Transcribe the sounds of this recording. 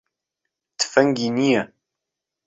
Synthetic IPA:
t̪ːə̥fæŋɡiniæ

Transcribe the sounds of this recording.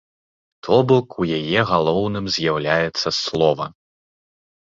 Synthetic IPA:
t̪ʰɔbɔkujajɛɣalˠɔwnɨmzʲjawlʲajɛt̪sːɐslˠɔvɐ

